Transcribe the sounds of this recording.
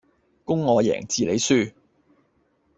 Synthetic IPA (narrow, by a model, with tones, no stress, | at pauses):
kʊ˥ŋːɔː˨˧jɛ̰ː˨˩ŋt͡siː˨le˨˧jsyː˥˩